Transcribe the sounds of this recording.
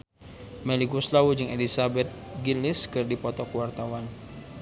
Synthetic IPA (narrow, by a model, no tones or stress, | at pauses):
mɛliɡuslawud͡ʒɨŋɛlisabɛt̪̚ɡiliskɨrdipɔt̪ɔkəwart̪awan